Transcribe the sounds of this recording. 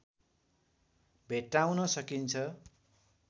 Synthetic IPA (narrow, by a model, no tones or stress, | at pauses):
bʱeʈawnʌsʌkint͡sʰʌ